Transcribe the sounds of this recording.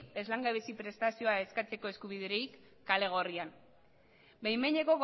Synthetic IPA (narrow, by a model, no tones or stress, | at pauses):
e̞zlaŋɡaβesipɾe̞st̪asio̞ae̞skat͡se̞ko̞e̞skuβiðeɾejkː | ale̞ɣ̞o̞rian | bejmeɲeko̞ɣ